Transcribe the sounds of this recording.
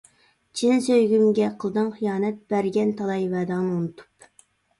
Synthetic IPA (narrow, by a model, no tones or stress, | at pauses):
t͡ʃʰinɪsøjɡʲymɡʲɛqʰəlˠɨd̪ɨŋχijɑːnɛt̪̚b̥æɾɡʲɛnt̪ʰɑlˠɑjvɛːd̪ɑŋnɨunɨt̪ʰu̥p